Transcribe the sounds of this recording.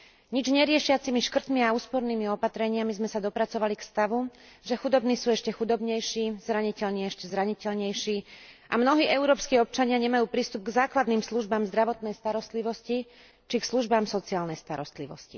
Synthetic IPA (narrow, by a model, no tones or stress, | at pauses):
ɲid͡ʒɲɛɾɪɛʃɪat͡simiʃkr̩t̪miauːspɔɾniːmiɔpat̪ɾɛɲɪamizmɛsad̪ɔpɾat͡sɔʋalikst̪aʋu | ʒɛxud̪ɔbniːsuːɛʃcɛxud̪ɔbɲɛjʃiːzɾaɲicɛʎɲɛɛʃcɛzɾaɲicɛʎɲɛjʃiːʔamnɔɦiːʔɛʊɾɔːpskiːɔp̚t͡ʃaɲɪaɲɛmajuːpɾiːst̪ub̚ɡzaːklad̪niːmsluʒbaːmzd̪ɾaʋɔt̪nɛjst̪aɾɔst̪liʋɔsci | t͡ʃiksluʒbaːmsɔt͡siaːlnɛjst̪aɾɔst̪liʋɔ̰scḭ